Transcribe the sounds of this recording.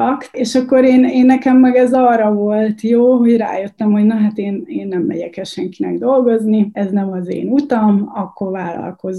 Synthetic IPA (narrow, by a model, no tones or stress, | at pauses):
ɒkeːʃɒkːo̞ɾeːneːnːɛkɛmːɛɡɛzɒːrːɒvo̞lt̪joːɦo̞ɟra̰ːjøt̪ːɛmɦo̞ɟnɒɦat̪eːneːnːɛmːɛ̰ɟɛkɛʃɛŋkinɛ̰ɡd̪o̞lɡo̞zniɛznɛmɒzḛːnut̪ɒmɒkːo̞rvaːlːɒ̰lko̞z